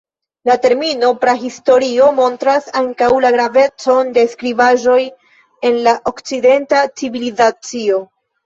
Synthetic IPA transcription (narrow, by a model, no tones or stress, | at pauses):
late̞ɾmino̞pɾaɦisto̞ɾio̞mo̞ntɾasaŋkawlaɡɾave̞t͡so̞nde̞skɾivaʒo̞j | e̞nlaʔo̞kt͡side̞ntat͡sivilizat͡sio̞